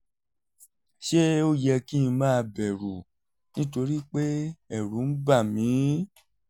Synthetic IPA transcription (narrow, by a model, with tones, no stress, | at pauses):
ʃe˦o˦jɛ˧kĩ˦˨˧mãː˦˧bɛ˨ɾu˨ | nĩ˦to˧ɾi˦k͡pe˦ɛ˦˨ɾũ˨˦n̩˦ba˦˨mĩ˨˦